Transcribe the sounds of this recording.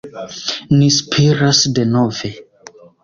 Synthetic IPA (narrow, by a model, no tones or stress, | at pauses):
nispʰiɾasde̞no̞ve̞